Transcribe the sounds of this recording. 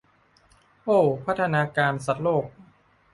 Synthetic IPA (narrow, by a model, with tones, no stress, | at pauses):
ʔoː˥˩pʰa˦˥t̪ʰːa˧naː˧kaː˧nsa˨˩t̪̚loː˥˩k̚